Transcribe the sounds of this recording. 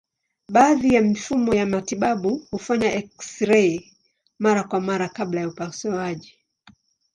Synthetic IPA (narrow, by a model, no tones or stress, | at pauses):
ɓaːðijamifumɔjamatiɓaɓuhufaɲaʔɛksɾɛ | maɾakwamaɾakaɓlajaupasuaʄi